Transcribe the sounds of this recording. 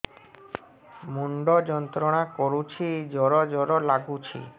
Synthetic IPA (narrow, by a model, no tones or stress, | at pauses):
muɳɖod͡ʑɔnt̪ɾoɽakoɾut͡ɕʰid͡ʑɔɾɔd͡ʒɔɾɔlaɡut͡ɕʰḭ